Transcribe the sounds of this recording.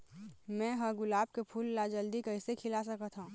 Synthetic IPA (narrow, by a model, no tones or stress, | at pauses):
mɛ̃ːɦəɡʊlaːb̚kepʰuːlːad͡ʒəld̪ikəɪsekʰɪlas̬əkət̪ʰɦãː